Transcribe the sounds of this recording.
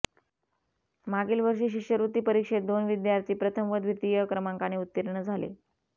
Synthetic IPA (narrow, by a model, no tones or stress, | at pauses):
maɡiːlʋəɾʂiːɕikʂjəɾut̪iːpəɾikʂet̪̚d̪onʋid̪jaɾt̪iːpɾət̪ʰəmʋəd̪ʋit̪ijəkɾəmaŋkaneut̪ːiɾɳəd͡zʱalḛ